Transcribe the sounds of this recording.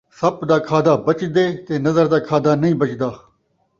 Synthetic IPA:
sɐpd̪aːkʰaːd̪aːbɐt͡ʃd̪eːt̪eːnɐzəɾd̪aːkʰaːd̪aːnɐĩːbət͡ʃd̪aː

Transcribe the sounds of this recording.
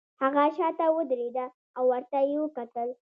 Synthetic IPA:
haɣaʃɑt̪awəd̪ɾed̪a | awːaɾt̪ajewəkat̪əl

